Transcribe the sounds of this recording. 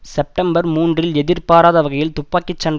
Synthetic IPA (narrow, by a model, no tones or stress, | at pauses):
sɛp̚ʈɐmbɐɾmuːndrɪlɛðɪɾpaːɾaːðɐʋɐɣɐjɪlt̪ʊpːaːkːɪt͡ʃːɐn